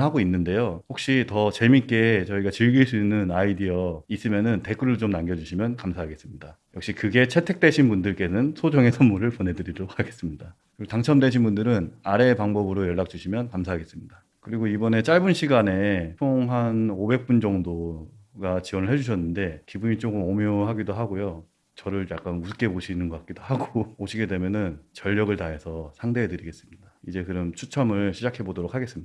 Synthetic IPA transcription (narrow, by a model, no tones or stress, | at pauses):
ɦaɡoinːɯnde̞johok̚ɕ͈itʌt͡ɕe̞mik͈e̞t͡ɕʌiɡat͡ɕiɭɡiɭs͈uinːɯnaidiʌis͈ɯmjʌnɯnte̞k͈ɯɾɯɭt͡ɕomnaŋɡjʌd͡ʑuɕʰimjʌnkamsʰaɦaɡe̞s͈ɯmɲida | jʌk̚ɕ͈ikɯɡe̞t͡ɕʰe̞tʰe̞k̚t͈we̞ɕʰinbundɯɭk͈e̞nɯnsʰod͡ʑʌŋe̞sʰʌmmuɾɯɭpone̞dɯɾidoɾok̚haɡe̞s͈ɯmɲida | ɾiɡotaŋt͡ɕʰʌmde̞ɕ̬ʰinbundɯɾɯnaɾe̞paŋbʌbɯɾojʌɭːak̚t͡ɕ͈uɕʰimjʌnkamsʰaɦaɡe̞s͈ɯmɲida | kɯɾiɡoibʌne̞t͡ɕ͈aɭbunɕʰiɡane̞joŋɦanobe̞k̚p͈und͡ʑʌŋdoɡat͡ɕiwʌnɯɭɦe̞d͡ʑuɕʰʌnːɯnde̞kibuɲit͡ɕ͈okʰɯmʌmjoɦaɡidoɦaɡojo | t͡ɕʌɾɯɭjak͈anusʰɯk͈e̞poɕʰinɯnɡʌk͈ak͈idoɦaɡooɕʰiɡe̞de̞mjʌnɯnt͡ɕʌʎːʌɡɯɭtaesʰʌsʰaŋde̞edɯɾiɡe̞s͈ɯmɲidaid͡ʑe̞kɯɾʌmt͡ɕʰut͡ɕʰʌmɯɭɕʰid͡ʑakʰe̞bodoɾokʰaɡe̞s͈ɯmɲid